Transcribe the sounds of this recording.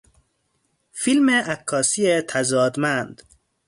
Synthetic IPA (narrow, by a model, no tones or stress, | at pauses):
filmeʔækʰːɒːsiːet̪ʰæzɒːd̪mænd̪